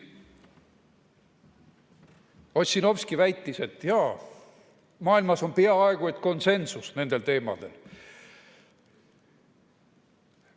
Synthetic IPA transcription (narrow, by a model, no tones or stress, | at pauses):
o̞t̪ʲsʲino̞fskivæjt̪ːise̞t̪ːjɑː | mɑːilmɑso̞npeɑɑeɡ̥ut̪ko̞nse̞nsusne̞nd̪̥e̞lt̪e̞ːmɑ̰d̪̥e̞̰l